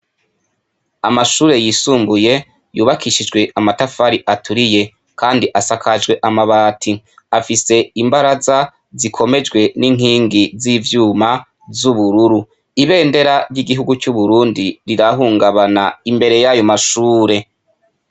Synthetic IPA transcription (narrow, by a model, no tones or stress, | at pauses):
amaʃuːɾe̞jiːsuːmbuje̞ | juːβakiʃid͡ʒɡwe̞ʔamatafaɾiʔatuɾije̞ | kaːndiʔasakʰad͡ʒwe̞ʔamaβaːtʰi | afise̞imbaɾaza | zikʰo̞me̞d͡ʒɡwe̞niŋ̥hiːŋɡizivjuːma | zuβuɾuɾu | iβe̞ːnde̞ɾaɾjiɡiɦuɡut͡ʃuβuɾuːndiɾiɾaɦuːŋɡaβanaimbe̞ɾe̞jajo̞maʃuːɾe̞